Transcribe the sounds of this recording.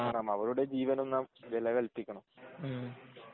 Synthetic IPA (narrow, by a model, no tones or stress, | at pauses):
aːrɐmɐʋɐɾuɽe̞d͡ʑiːʋɐnonːɐmʋelɐʋɐɭpːikʲːɐɳum